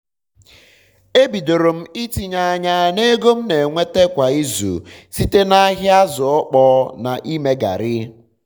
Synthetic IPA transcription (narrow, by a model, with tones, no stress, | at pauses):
e˦bi˨do˨ɾo˨m̩˦i˦ti˨ɲa˨˦˨ɲa˦ne˦ɡo˦m̩˦ne˨ŋʷe˦te˦kʷa˨i˦zṵ˨si˦te˦na˦ɦɪ˦a˦zʊ˨ɔ˦k͡pɔ˦na̰˨ʔi˦me˦ɡa̰˨ɾɪ˦